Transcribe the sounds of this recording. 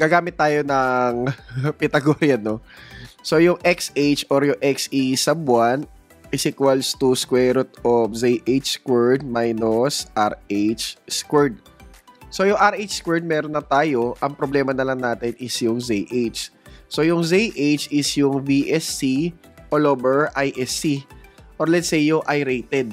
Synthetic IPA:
ɡ̥aːɡaːmɪt̪̚ːaːjonɐŋpɪt̪ɐɡoɾjɐnoso̞jʊŋʔɛksʔejt͡ʃoɾjʊŋʔɛksisɐbwan | ɪsikwɐlst̪uskwɛɾot̪̚ozejʔejt͡ʃskwɛɹd̪̚majnosʔaɹejt͡ʃskwɛɹd̪̚ | so̞jʊŋʔɐɾʔejt͡ʃskwɛɹd̪̚mɛːɾonːɐt̪aːjo̞ʔɐŋpɾoblɛːmɐnɐlɐŋnaːt̪ɪnʔɪsjʊŋzejʔejt͡ʃso̞jʊŋzejʔet͡ʃɪsjʊŋviʔɛsːi | ʔoloːbɛɹʔajʔɛsiʔoɹlɛt̪sɛjːʊʔajɾejt̪ɛd̪̚

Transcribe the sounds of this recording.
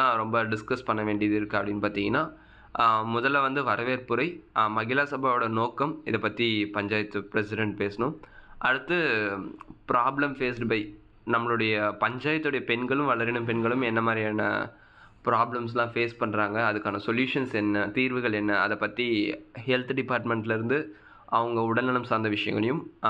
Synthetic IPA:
ãːɾɔmbɐɖɪskɐspɐɳːɐʋeːɳɖɪjɐðɪɾɯkːɯɐpːɐɽɪnːpaːt̪ĩŋɡɐnːaː | mʊðɐlːɐʋɐnd̪ɯʋɐɾɐʋeːɾpɯɾɐɪmɐɣɪlaːsɐbʱaːʋɔɽɐnoːkːɐmɪðɐpːɐt̪ːipɐɲd͡ʒaːjɐt̪ːɯpɪɾɛsɪɖɛɳʈ̚peːsɐɳʊ̃ʔɐɽɯt̪ːɯ | pɪɾaːblɐmfeːsʈbɐɪ | nɐmːɐɭɯɽɐjɐpɐɲd͡ʒaːjɐt̪ːɯɽɐjɐpɛnɡɐɭɯmʋɐɭɐɾɪnɯmpɛnɡɐɭɯmɛnːɐmaːd̪ɾijaːnɐ̰ | pɪɾaːblɐms̬lãːfeːspɐɳːɾaːŋɡɐːðɯkːaːnɐsɔljuːʂɐnsɛnːɐt̪iːɾʋɯɣɐɭɛnːɐːɐðɐpːɐt̪ːihɛlt̪ɖɪpaːɾʈmɛɳʈɪlɪɾɯnd̪ɯ | ɐʋɐŋɡɐʊɽɐnːɐnɐmsaːɾnd̪ɐʋɪʂɐjɐ̰ŋɡɐɭɐjɯm

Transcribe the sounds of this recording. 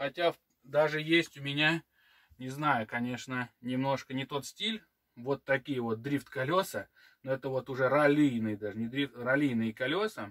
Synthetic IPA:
xɐtʲaf | d̪aʐɨjesʲtʲʊmʲɪnʲa | nʲɪznajʊkɐnʲe̞ʂnənʲɪmno̞ʂkənʲɪt̪o̞t̪sʲtʲilʲ | vo̞t̪ːɐkʲijəvo̞t̪̚d̪ɾʲift̪kɐlʲo̞sə | noɛt̪əvo̞t̪ʊʐɛɾɐlʲijnɨjd̪aʐɨnʲɪd̪ɾʲift̪rɐlʲijnɨjəkɐlʲo̞sə

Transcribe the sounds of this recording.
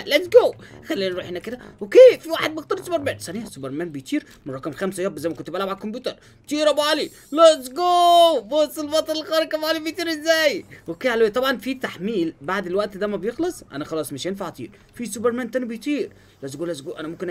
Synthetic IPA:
læt̪sɡoːxælːiːnnɾuːħenækɪd̪æwokeːfiwaːħed̪bɪxt̪ɑɾsubeɾmæːnsˤænisubeɾmæːnbɪjt̪ˤiːɾ | mʊɾˤɑkɑmxæmsæjæːbzæjmækʊnt̪ːɪbælamʕalkʊmbjuːt̪ɑɾˤ | t̪iːɾɑbɑːli | læt̪sɡoːbosˤːelbɑt̪ˤɑlɪlxɑːɾɪkæbʕɑːlibɪjt̪ˤiːɾɪzːæːjwokeːʕalæwejt̪ˤɑbʕɑnfit̪aħmiːlbaʕd̪ɪlwæʔt̪d̪æːmæbjɪxlɨsˤʔæ̰næxɑlɑːsˤmɪʃnfaʕt̪ˤḭːɾ | fisubeɾmæːnt̪ænbɪjt̪ˤiːɾ | læt̪sɡoːlæt̪sɡoːʔænæmʊmkɪnʔ

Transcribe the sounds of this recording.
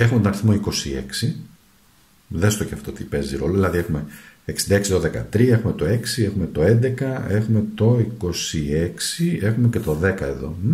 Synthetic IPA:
e̞xumet̪onɐɾiθmo̞iko̞sie̞̰ksi | ðest̪oceɐft̪o̞t̪ipe̞ziɾo̞loðilɐðiexume̞eksind̪ɐeksiðoðe̞kɐ̰t̪ɾiɐexume̞t̪o̞e̞ksie̞xume̞t̪o̞e̞nd̪ekɐe̞xume̞t̪o̞iko̞sie̞ksie̞xume̞cet̪o̞ðe̞kɐeðo̞̰

